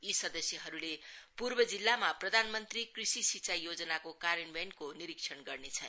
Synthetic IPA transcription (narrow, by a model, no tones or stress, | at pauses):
isʌd̪ʌsjʌɦʌɾulepurbʌd͡zilːamaprʌd̪ʱanmʌnt̪rikrisisit͡sajod͡zʌnakokaɾʌnbenkoniɾiksʰʌnɡʌrnet͡sʰʌn